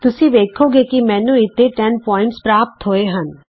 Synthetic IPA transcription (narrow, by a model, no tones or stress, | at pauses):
t̪ʊsĩʋeːkʰoːɡekimɛ̃ːnũɪt̪ʰːeʈɛnpɔːɪ̃ɳʈspɾaːpp̚t̪ɦoːeɦən